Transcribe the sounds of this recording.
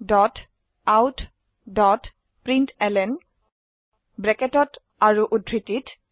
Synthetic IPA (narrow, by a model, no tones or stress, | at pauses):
dɔt | awt | dɔt | pɹintɛlɛn | bɹɛketɔt | aɹuʔudʱɹitit